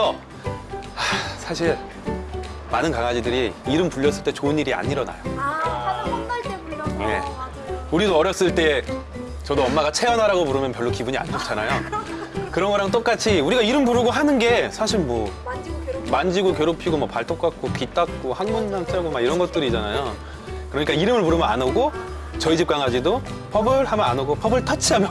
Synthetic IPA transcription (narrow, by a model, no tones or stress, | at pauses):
ʌ | asʰaɕʰiɭ | manɯnkaŋad͡ʑidɯɾiiɾɯmpuʎːʌs͈ɯɭt͈e̞t͡ɕoɯniɾia̰ɲiɾʌna̰jo | je̞̰ | uɾidoʌɾjʌs͈ɯɭt͈e̞ | t͡ɕʌdoʌmːaɡat͡ɕʰe̞ʌnɦaɾaɡopuɾɯmjʌnpjʌɭːokibuɲia̰nd͡ʑʰop̚t͡ɕʰanajo | kɯɾʌnɡʌɾaŋt̬͈ok͈at͡ɕʰiuɾiɡaiɾɯmpuɾɯɡoɦanɯnɡe̞sʰaɕʰiɭmwʌ | mand͡ʑiɡokjeɾopʰiɡomapaɭtʰok͈ak̚k͈opit͈ʰak̚k͈ohaŋmunbaŋt͡ɕ͈aɡomaɡiɾʌnɡʌt̚t͈ɯɾid͡ʑanajo | kɯɾʌɲik͈aiɾɯmɯɭpuɾɯmʌnanoɡo | t͡ɕʌid͡ʑip̚k͈aŋad͡ʑido | pʰʌbɯɭhamjʌnanoɡopʰʌbɯɭtʰʌt͡ɕʰiɦamjʌ